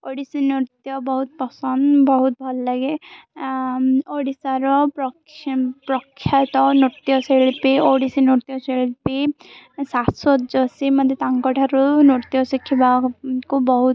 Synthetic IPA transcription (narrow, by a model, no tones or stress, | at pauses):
oɽisinuɾt̪jɔbɔɦut̪̚pɔsɔnd̪bɔɦut̪̚bʱɔlːaɡe | oɽisaɾɔpɔ | pɾɔkʰːjat̪ɔnuɾt̪jɔselpioɽisinuɾt̪jɔselpisasɔd͡ʒɔsimɔd̪ʱet̪aŋkɔʈʰaɾunuɾt̪jɔsikʰːibakubɔɦut̪